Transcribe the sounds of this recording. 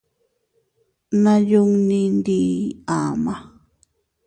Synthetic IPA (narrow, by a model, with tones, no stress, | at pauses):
nã˦ju˦ŋnĩ˧nd̪i˨a˨ma˨